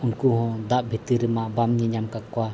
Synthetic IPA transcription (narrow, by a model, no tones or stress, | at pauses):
unkuɦɔ̃d̪aʔbʱit̪iɾəmaʔbamɲɛɲamkakɔwa